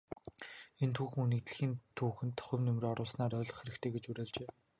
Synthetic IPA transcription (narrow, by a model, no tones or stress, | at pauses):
ent̪ʰuːxɘ̆ŋuniːk̚t̪̆ɮxiːnt̪ʰuːxɘ̆nt̪ʰɔ̥χʲʊ̆mnʊmrɔɾʊːsnaːɾœːɮɞ̆χxeɾɘ̆kt̪ʰeːɡet͡ɕuɾeːɮt͡ɕeː